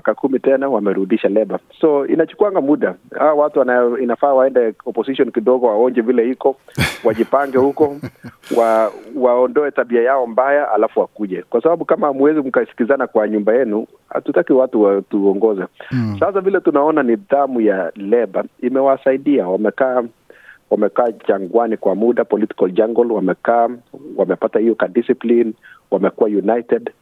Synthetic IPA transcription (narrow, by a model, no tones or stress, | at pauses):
kakumitɛnawamɛɾuɗiʃalɛɓasɔḭnat͡ʃu̥kuwaŋɡamuɗahawawatuwanainafaːwaɛndɛɔpɔsiʃɔnkiɗɔɣɔwaɔŋd͡ʒɛvilɛhikɔwaʄipaŋɡɛhukɔwawaɔndɔɛtaɓiajaɔmbajaa̰lafuwakuʄɛkwasaɓaɓukamahamuwɛzikukasi̥kizanakwaɲumbajɛnu | ha̰tutakiwatuwatuɔŋɡɔzɛsas̬avilɛtunaɔnaniðamujalɛɓaimɛwasaiɗiawamɛka | wamɛkaːt͡ʃaŋɡwanikwamuɗapɔliti̥kɔld͡ʒaŋɡɔlwamɛkawamɛpatahijɔkadisiplinwamɛkuwajunajtɛd